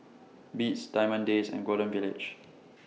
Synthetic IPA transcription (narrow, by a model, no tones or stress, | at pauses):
bitsd̥aɪmə̃ndesɛ̰̃nɡodə̃nvilɪ̰d͡ʒ